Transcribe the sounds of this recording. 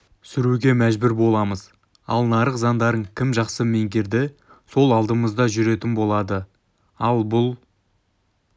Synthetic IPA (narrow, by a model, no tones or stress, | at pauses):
sʏɾuɡʲe̞mæʒbʏɾbo̞lˠɑməz | ɑ̰lˠnɑɾəqzɑnd̪ɑɾəɴkʲʰɪmʒɑqsəme̞ŋɡʲeɾd̪ɪ | so̞lˠɑlˠd̪əməzd̪ɑʒʏɾe̞t̪ɪnbo̞lˠɑd̪ə | ɑlˠbʊlˠ